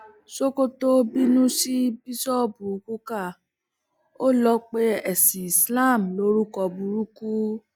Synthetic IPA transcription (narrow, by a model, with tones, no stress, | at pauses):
so˦ko˦to˦bi˦nũ˦si˦bi˦sɔ˦˨bu˨ku˦ka˦˨ | o˦lɔ˧k͡pe˦ɛ˨si˨i˨sla˦˨mlo˨˦ɾu˦kɔ˧bu˧ɾu˦ku˦